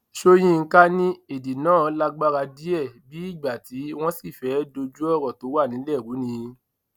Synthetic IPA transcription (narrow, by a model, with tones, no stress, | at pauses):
ʃo˦j̃ĩ˧ŋ̩˦ka˦nĩ˦e˨di˨nãː˦˨˦la˦ɡ͡ba˦ɾa˧di˦ɛ˦˨bi˨˦i˦˨ɡ͡ba˨ti˨˦w̃ɔ̃˦si˦˨fɛ˨˦do˧d͡ʒu˦ɔ˦˨ɾɔ˨to˨˦wa˦˨nĩ˨˦lɛ˦˨ɾu˨˦nĩ˧˦